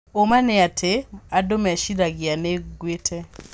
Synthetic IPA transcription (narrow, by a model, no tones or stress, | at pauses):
omanɛatʰeadomɛaʃiɾaɡianeɡwetʰɛ